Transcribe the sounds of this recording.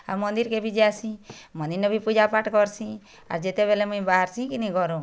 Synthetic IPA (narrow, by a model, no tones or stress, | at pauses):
a̰ɾmɔnd̪iɾkebʱid͡ʒeasʰĩmɔnd̪iɾnebʱipud͡ʒapaʈkɔɾsʰĩ | a̰ɾd͡ʒet̪ebelemũĩbaɦaɾsʰĩkinĩɡɔɾũ